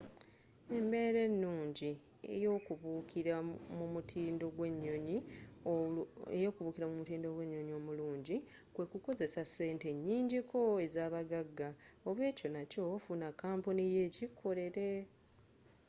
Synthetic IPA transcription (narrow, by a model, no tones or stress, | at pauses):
e̞mbe̞ːɾe̞nːuːɲɟi | ḛjoukiɾamumutʰiːndo̞ɡwe̞ɲːo̞ɲi | ḛjo̞ːkuβuːkiɾamumutiːndo̞ɡwe̞ɲːo̞ɲio̞ːmuluːɲɟikwe̞kuko̞ze̞sase̞ːnte̞ɲːiːɲɟikʰo̞e̞zaːβaɡaɡːao̞βwe̞ːco̞naco̞funakːaːmpunije̞ːcikʰo̞le̞ɾe̞